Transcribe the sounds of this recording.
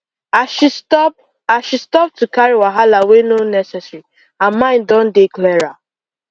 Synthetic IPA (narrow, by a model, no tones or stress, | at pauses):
aʃitp | aʃistɔp̚tukaɹiwaɦalawenonɛsɛsɹi | ãnmãɪ̃ndɔ̃ndeklɛɹa